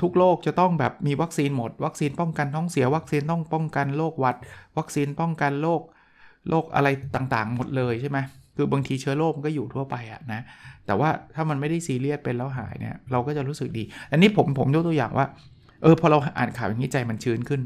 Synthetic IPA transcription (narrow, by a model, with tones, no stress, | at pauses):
t̪ʰu˦˥k̚loː˥˩k̚t͡ɕa˨˩t̪ɔ˥˩ŋbɛː˨˩p̚miː˧wa˦˥k̚siː˧nmo˨˩t̪̚wa˦˥k̚siː˧npɔ˥˩ŋka˧nt̪ʰɔː˦˥ŋsi˨˩˦ɐwa˦˥k̚siː˧nt̪ɔ˥˩ŋpɔ˥˩ŋka˧nloː˥˩k̚wa˦˥t̪̚wa˦˥k̚siː˧npɔ˥˩ŋka˧nloː˥˩k̚ | lʔoː˥˩k̚ʔa̰˧ɾa˧jt̪aː˨˩ŋt̪aː˨˩ŋmo˨˩t̪̚lɤː˧jt͡ɕʰa˥˩jma˦˥jkʰɯː˧ba˧ŋt̪ʰiː˧t͡ɕʰɯ˦˥ɐloː˥˩m˧kɔː˥˩juː˨˩t̪ʰu˥˩ɐpa˧jʔa̰˨˩na˦˥t̪ɛː˨˩waː˥˩t̪ʰaː˥˩ma˧nma˥˩jda˥˩jsiː˧li˥˩ət̪̚pe˧nlɛː˧˦˥wɦa̰ː˩˦jnḭ˥˩ɐɾa˧wkɔː˥˩t͡ɕa˨˩ɾuː˦˥sɯ˨˩k̚diː˧t̪a˧nːiː˦˥pʰo˩˦mpʰo˩˦mjo˦˥t̪jaː˨˩ŋwʔaː˥˩ | ʔɤː˧pʰɔ˧ɾa˧wʔaː˨˩nkʰaː˨˩˦wja˨ŋːiː˦˥˩t͡ɕa˧jma˧nt͡ɕʰɯː˦˥nkʰɯ˥˩n